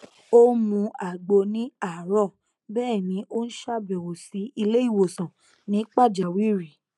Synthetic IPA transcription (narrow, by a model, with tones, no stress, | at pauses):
o˦mũ˧˦a˨ɡ͡bo˧nĩ˨˦a˨ɾɔ˦˨ | bɛː˦˨nĩ˨˧˦ʔo˦n̩˦ʃa˦˨bɛ˨wo˨si˨˦i˧le˦i˦˨wo˨sã˨ | nĩ˨˦k͡pa˦˨d͡ʒa˨wi˦ɾi˨